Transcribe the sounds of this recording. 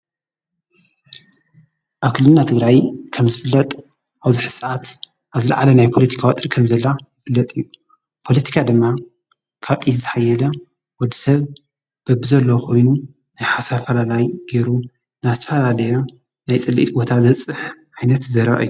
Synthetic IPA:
ʔaβkʰɨlːɨnːat̪ʰɨɡɾajkʰɐmzɨfɨlːɐt̪ʼ | ʔaβzɨħɨsʕat̪ | ʔaβzɨla̰ʕalɐnajpʰo̞lɐt̪ʰi̥kʰawɐt̪ʼɾkʰɐmzɐlːajɪfɨlːɐt̪ʼɨjːu | pʰo̞lɐt̪ʰi̥kʰad̪ɨmːa | kʰaβt̪ʼit̪zɨħajːɛlɐ | wɔd̪ːisɐβ | b̥ɐbɨzɐlːowkʰo̞jnu | najħasafɐlalajɡeɾu | nazɨt̪ʰɐfɐlalɐjo | najt͡sʼɨlːḭt̪bot̪ʰazɐt͡sʼːɨħʔajnɐt̪zɐɾɐ̰ʔɨ̰jːu

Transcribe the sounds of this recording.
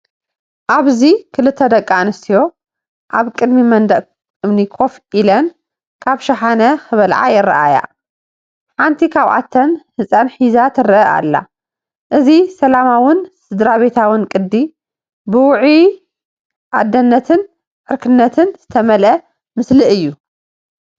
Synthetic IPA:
ʔaβzikʰɨlɨt̪ʰːɐd̪ɐkʼːanɨst̪ʰijo̞ | ʔaβkʼɨd̪mimɐnd̪ɐʔ | ɨmnikʰo̞fʔilɐn | kʰaβʃaħanɐxɨβɐlʕa̰jɪra̰ʔa̰ja̰ | ħant̪ʰikʰaβʔa̰t̪ʰːɐnhɨsʼanħizat̪ʰɨɾɨʔɐʔa̰lːa̰ | ʔɨzisɐlamawʊnsɨd̪ɾaβe̞t̪ʰawɨnkʼɨd̪ːi | bɨwʊʕi | ʔad̪ːɐnːɐt̪ʰɨn | ʔʕɨɾkʰɨnːɐt̪ʰɨnz̥ɨt̪ʰɐmɐlɐ | mɨslɨɨjːu

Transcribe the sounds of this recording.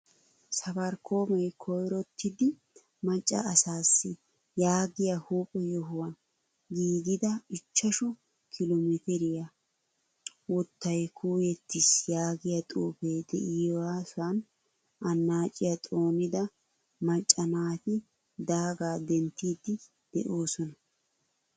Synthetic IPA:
sɐbɐɾkʰoːmɛjkʰɔjɾɔt̪ʰːɪd̪ɪ | mɐt͡ʃʼːɐ̰ːsaːsːɪ | jaːɡɪjɐhuːpʼɛjɔɦʊwɐn | ɡiːɡɪd̪ɐɪt͡ʃːɐʃɔ | kʰɪlɔmɛt̪ɛɾɪjɐ | wɔt̪ːɐjkʰuːjɛt̪ːɪsjaːɡɪjɐt̪ʼuːpejd̪ɛ̰ʔɪjwaːsʊɐn | ɐnːaːt͡ʃʼːɪjɐt̪ʼo̞ːnɪd̪ɐ | mɐt͡ʃʼːɐnaːt̪ɪ | d̪aːɡaːd̪ɛnt̪ːiːd̪ːɪ | d̪̥ɛ̰ʔo̞ːsɔnɐ

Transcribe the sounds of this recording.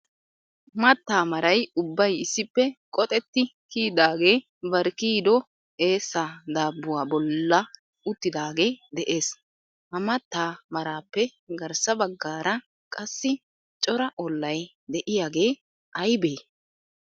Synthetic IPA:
mɐt̪ːaːmɐɾɐjʊbːɐjɪsːɪpːɛkʼɔt̪ʼɛt̪ːɪkiːd̪aːɡe̞ː | bɐɾkiːd̪ɔ | e̞ːsːad̪aːbːʊwaːbɔlːɐ | ʊt̪ːɪd̪aːɡe̞ːd̪ɛʔe̞ːs | hɐmɐt̪ːaːmɐɾaːpːɛɡɐɾsɐbɐɡːaːɾɐ | kʼɐsːɪ | t͡ʃʼɔɾɐʔɔlːɐj | d̪ɛʔɪjaːɡe̞ː | ʔɐjbe̞ː

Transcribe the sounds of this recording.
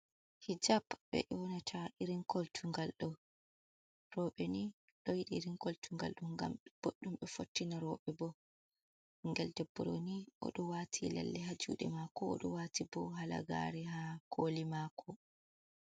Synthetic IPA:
hid͡ʒapɓɛ̰ʔɔnatʰaʔiɾiŋkʰɔltʰuŋɡalɗɔ | rɔɓɛni | ɗɔjiɗiɾiŋkɔltʰuŋɡa̰lɗuŋɡa̰mb̥oɗːumɓɛfotːinaɾɔɓɛbɔ | ŋɡɛldɛbːɔɾo̰niʔɔ̰ɗɔwatʰila̰lːɛɦad͡ʒṵɗɛ̰makɔɔ̰ɗɔwatibɔɦala̰ɡa̰ɾɛhakʰolimakʰɔ

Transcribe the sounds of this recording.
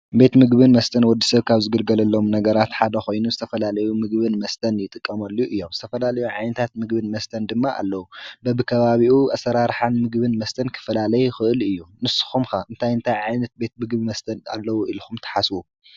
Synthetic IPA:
be̞t̪mɨɡβɨnmɐst̪ʰɐnwɔd̪ːi̥sɐβkʰaβzɨɡɨlɡɐlɐlːo̞mnɐɡɐɾat̪ħad̪ɐxo̞jnuzɨt̪ʰɐfɐlalɐjumɨɡβɨnmɐst̪ʰɐnjɪt̪ʼɨkʼːɐmɐlːuʔɨjːo̞mzɨt̪ʰɐfɐlalɐjuʕajnɐt̪ʰat̪mɨɡbɨnmɐst̪ʰɐnd̪ɨmːaʔa̰lːɐwubɐbɨkʰɐβaβiʔuʔɐsɐɾaɾħanmɨɡbɨnmɐst̪ʰɐnkʰɨ̥fɐlalɐjuxɨʔɨlɨjːunɨsɨ̥xumxaʔɨnt̪ʰajɨnt̪ʰajʕajnɐt̪̚be̞t̪̚mɨɡbimɐst̪ʰɐna̰lːɐwuʔilxumt̪ʰɐ̥ħaswu

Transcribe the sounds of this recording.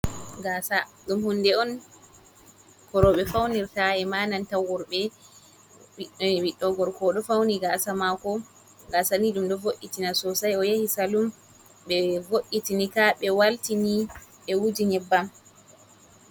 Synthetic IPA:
ɡasaɗumhundɛɔn | kɔɾɔɓɛfawniɾtaɛmaːnantawɔɾɓɛ | wiɗwiɗːɔɡɔɾkɔɗɔfawniɡasamakɔ | ɡasaniɗumɗɔvoʔːitinasɔsajɔjahisalum | ɓɛvoʔːitinikaɓɛwaltiniɓɛwud͡ʒiɲɛbːam

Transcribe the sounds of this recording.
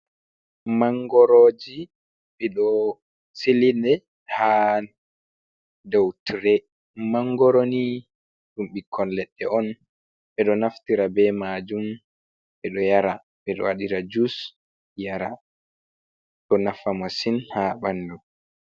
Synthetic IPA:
maŋɡɔɾod͡ʒi | ɓɛɗɔ | silinɛ | ha | dɔwtɾɛ | maŋɡɔɾoni | ɗumɓikʰːɔnlɛɗːɛɔn | ɓɛɗɔnaftiɾabɛmad͡ʒum | ɓɛɗɔjaɾa | ɓɛɗɔ̰waɗiɾad͡ʒus | jaɾa | ɗɔnafamasinhaɓandu

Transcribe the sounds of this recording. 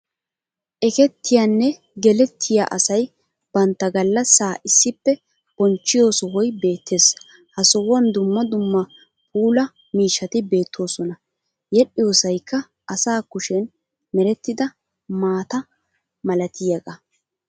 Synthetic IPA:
ʔɛkɛt̪ːɪjanːɛ | ɡɛlɛt̪ʰːɪja̰ʔɐsɐj | b̥ɐnt̪ːɐɡɐlːɐsːaːʔɪsːɪpːɛ | b̥ɔnt͡ʃːɪjo̞ːsɔwɔjbe̞ːt̪ʰːe̞ːs | hɐsɔwɐnd̪ʊmːɐd̪ʊmːɐ | pʰʼuːlɐ | miːʃːɐt̪ɪbe̞ːt̪ʰːo̞ːsɔnɐ | jɛɗɪjo̞ːsɐjkʰːɐ | ʔɐsaːkʊʃɛn | mɛɾɛt̪ːɪd̪ɐ | maːt̪ɐ | mɐlɐt̪ɪjɐɡɐ

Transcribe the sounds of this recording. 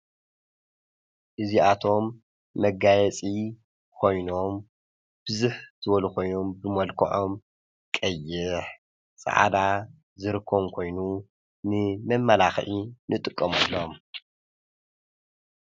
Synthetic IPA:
ʔɨziat̪ʰo̞mː | ɐɡajɛt͡sʼi | kʰo̞jno̞m | b̥ɨzuħz̥ɨbɐlukʰo̞jno̞mbɨmɐlkʰɐ̰ʕom | kʼɐjːɪħ | sʼa̰ʕa̰d̪a | zɨɾɨkʰːomkʰo̞jnu | nɨmɐmːɐlaxʕinʔɨt̪ʼɨkʼːɐmɐlːom

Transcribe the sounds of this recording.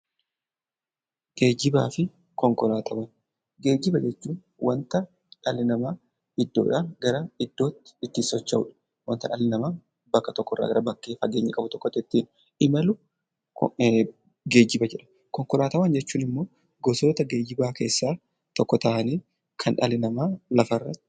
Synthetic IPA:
ɡe̞ːd͡ʒɪbaːfɪ | kɔŋkɔlaːt̪ʰɐwɐn | ɡe̞ːd͡ʒːɪbɐd͡ʒɛt͡ʃːuːn | wɐnt̪ɐ | ᶑɐlːɪnɐmaː | ɪd̪ːo̰ːᶑaɡɐɾɐɪd̪ːo̞ːt̪ːɪ̥ɪt̪ːisɔt͡ʃːɐʊ̰ᶑɐ̥ | wɐnt̪ɐᶑɐlːɪnɐmaː | bɐkːɐt̪ɔkːɔrːa̰ːɡɐɾɐbɐkːe̞ːfɐɡeːɲːɐkʼɐbʊt̪ɔkːɔt̪ːɛt̪ːiːn | ɪmɐlʊ | ɡe̞ːd͡ʒɪbɐd͡ʒɛᶑɐ̥ | kɔŋkɔlaːt̪ɐwɐnd͡ʒɛt͡ʃːuːnɪmːo̞ː | ɡɔso̞ːt̪ɐɡe̞ːd͡ʒɪbaːke̞ːsːaː | t̪ɔkːɔt̪ɐʔɐniː | kʰɐnᶑɐlɪnɐmaːlɐfɐrːɐt̪ːɪɪ̥

